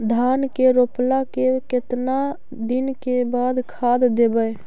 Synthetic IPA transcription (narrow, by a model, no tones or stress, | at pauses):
d̪ʱaːnkeɾoːplakekɪt̪na | d̪ɪnkebaːd̪kʰaːd̪d̪ebəj